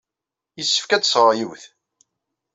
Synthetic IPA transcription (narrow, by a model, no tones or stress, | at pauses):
jəsːə̥fkæt͡ssˤɾˤjiwθ